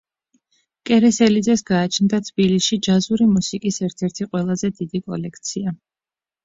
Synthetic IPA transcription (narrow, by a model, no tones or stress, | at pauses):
kʼɛɾɛsɛlid̪zɛsɡaːt͡ʃʰnd̪at̪ʰb̥ilisʃid͡ʒazuɾimusikʼisɛɾt̪ʰɛɾt̪ʰiqʼwɛlˠazɛd̪id̪ikʼɔ̰lɛkʰt̪sʰia